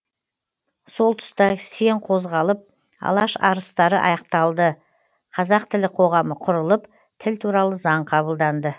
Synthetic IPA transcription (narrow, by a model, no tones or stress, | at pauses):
so̞lˠt̪ʰʊ̥st̪ɑse̞ɴqʰo̞zʁɑlˠəp̚ | ɑ̰lˠɑʃɑ̰ɾəst̪ɑɾəʔɑ̰jɑq̚t̪ɑlˠd̪ə | qʰɑzɑqt̪ʰɪlɪqʰo̞ʁɑməqʰʊɾəlˠəp | t̪ʰɪlt̪ʰuɾɑlˠəzɑɴqʰɑβəlˠd̪ɑnd̪ə